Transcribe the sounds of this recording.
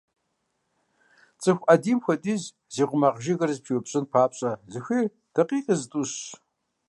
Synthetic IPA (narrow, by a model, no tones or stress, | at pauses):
t͡sʼɨxʷʔɐdiːmxʷɐtʼiːz | ziːʁʷʊmɐʁʒɪɣɐrzpʰiwʊpɕʼɨnpʰaːpɕʼɐzɨxʷiːr | d̥ɐqiːqʼəztʼuɕ